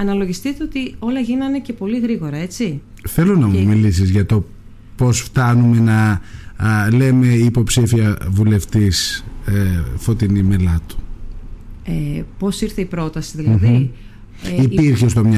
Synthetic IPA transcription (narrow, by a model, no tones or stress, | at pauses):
ɐnɐlo̞ʝist̪it̪e̞o̞t̪io̞lɐʝinɐinece̞po̞liɣɾiɣo̞ɾɐe̞t͡ssi | θe̞lo̞nɐmumilisizʝɐt̪o̞ | po̞sft̪ɐnume̞nɐ | le̞me̞iːpo̞psifiɐvule̞ft̪is | fo̞t̪inime̞lɐt̪u̥ | epo̞siɾθeipɾo̞t̪ɐsiðilɐi | ipiɾçest̪o̞mɲɐ